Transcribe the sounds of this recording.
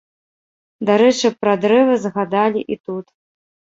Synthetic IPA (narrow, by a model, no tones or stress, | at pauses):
d̪aɾɛt͡ʂɨpɾad̪ɾɛvɨzɣad̪alʲiʔit̪ut̪